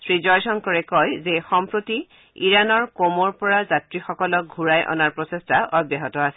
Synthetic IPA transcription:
sɹizɔjsɔnkɔɹɛkɔjzexɔmpɹoti | ḭɹanɔɹkomɔɹpɔɹazatɹixɔkɔlɔk̚ɡʱuɹajʔɔ̰naɹpɹɔsestaʔɔbjaɦɔtɔasɛ̥

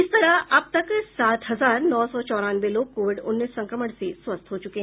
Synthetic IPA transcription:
ist̪əɾaap̚t̪əksat̪ɦəd͡zaːɾnɔːsɔt͡ɕɔːɾanbelokːoʋiɖunːisːə̃ŋkɾəməɽsesʋɐst̪ʰɦot͡ʃukẽ

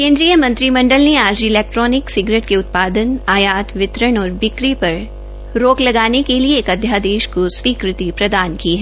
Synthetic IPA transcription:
kẽːnd̪ɾijəmɐ̃nt̪ɾimɐ̃ɳɖəlneaːd͡ʒɪlɛːk̚ʈɾɔːnɪksɪɡɾeːʈkeʊt̪̚paːd̪ənaːjaːt̪ʋɪt̪ɾəɽɔːɾbɪkɾipɐɾ | ɾoːklɐɡaːnekelieːkɐd̪ʱjaːd̪eːʃkosʋiːkɾɪt̪ipɾɐd̪aːnkiɦɛ

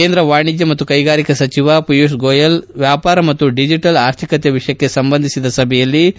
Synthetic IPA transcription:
keːnd̪ɾɐʋaːɳid͡ʒ̪jɐmɐt̪ːukɐjɡaːɾikɐsɐt͡ʃiʋɐpijusɡoːjɐlʋjaːpaːɾɐmɐt̪ːuɖid͡ʒiʈɐlaːɾt̪ʰikɐt̪eʋiʂɐjɐkːe̞sɐmbɐnd̪ʱisid̪ɐsɐbʱɛjɐlːi

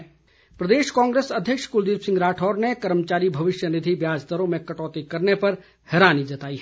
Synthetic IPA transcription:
pɾɐd̪eːʃkãːŋɡɾeːsɐd̪ʱjəkʃkʊld̪iːpsɪ̃ŋɡɾaːʈʰɔːɾnekɐɾmət͡ʃaːɾibʱɐʋɪʃjənɪd̪ʱibjaːd͡ʒd̪əɾõmẽkɐʈɔːt̪ikɐɾnepɐɾ | hɛːɾaːnid͡ʒɐt̪aːi

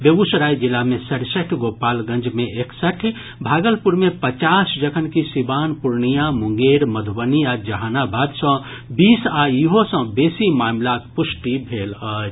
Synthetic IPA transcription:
bebusɾajd͡ʒilːamesəɾsəkʰɡopalɡə̃nd͡ʒmeeksəʈʰ | bʱaɡəlpuɾmepət͡ʃasd͡ʒəkʰənkisibanpuɾnijamuŋɡeɾməd̪ʱbəniad͡ʒəɦanabʱad̪sə̃ | bisaiɦosə̃besimamlakpusʈibʱelət͡ʃ

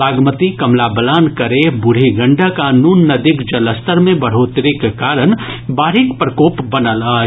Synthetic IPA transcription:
aːɡmət̪ikɐmlabəlaːnkɐɾebʊɽ̤iɡɐ̃ɳɖakaːnuːnːɐd̪ɪkd͡ʒɐləst̪əɾmẽbɐɽ̤oːt̪ɾɪkekaːɾən | baːɾɪkpɾəkoːpbɐnəlaː

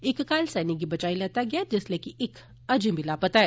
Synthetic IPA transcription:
ɪkkaːlsɛniɡibət͡ʃaːilet̪aɡjad͡ʒeslekiʔɪk | əd͡ʒĩbilaːpət̪aɛ

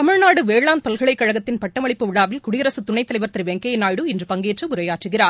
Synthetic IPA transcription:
ɐmɪɻnaːɽɯʋeːɻlaːnpɐlɣɐɭɐɪkːɐɻɐɣɐt̪ːɪnpɐʈːɐmɐɭɪpːɯʋɪɽaːʋɪlkʊɽɪjɐɾɐsɯt̪ʊɳɐɪt̪ːɐlɐɪʋɐɾt̪ɪɾʋeŋkejɐɪnaːjɽɯɪndrɯpɐŋɡeːʈrɯʊɾɐjaːʈrɯɣɪraːɾ

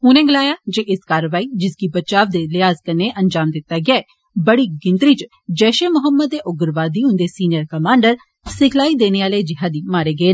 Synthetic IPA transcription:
ɦʊnẽːɡɪlaːjaːd͡ʒeʔɪskaːɾəʋaːiːd͡ʒɪskibət̪ːt͡ʃaːʋd̪eːlɪɦaːzkəɾneːʔənd͡ʒaːmd̪ɪt̪ːaːɡɪaːeː | bəɽiːɡɪnt̪ɾiːt͡ʃ | d͡ʒɛːʃeːmʊɦəmːəd̪ːeːʔʊɡəɾʋaːd̪iːʊ̃nd̪eːsiːnɪjəɾkəmãːɳɖəɾ | sɪkʰlaːiːd̪eːneːaːleːd͡ʒɪɦaːd̪iːmaːɾeːɡəeː

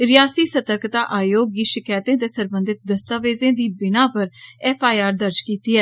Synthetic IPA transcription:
ɾɪjaːsiːsət̪əɾkt̪aːʔaːjoːɡiːʃɪkaːjt̪ẽːt̪eːsəɾbə̃nd̪ɪt̪̚d̪əst̪aːʋeːzẽːd̪iːbɪnaːpəɾɛːpʰaːiaːɾd̪əɾd͡ʒkiːt̪iːɦɛː

